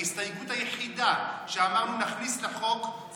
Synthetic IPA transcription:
ist̪ajɡutajeχidaʃeamaʁnunaχnisleχo̞k

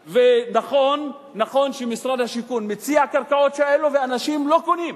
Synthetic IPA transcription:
venaχo̞nː | aχo̞nʃemisʁad̪haʃikunmet͡siakaʁkao̞tʃeeloveanaʃimlo̞konim

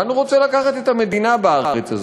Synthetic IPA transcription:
anuʁot͡selakaχat̪et̪ame̞d̪inabaaʁaʁet͡saz

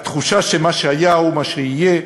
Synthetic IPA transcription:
t̪χuʃaʃemaʃeajaomaʃeije

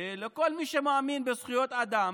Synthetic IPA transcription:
leko̞lmiʃemoaminbezχujo̞t̪ad̪am

